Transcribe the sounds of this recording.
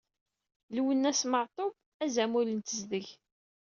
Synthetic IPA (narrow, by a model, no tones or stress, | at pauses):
lwənːæsməʕt̪ˤob | æzæmulənt̪əzðəʝ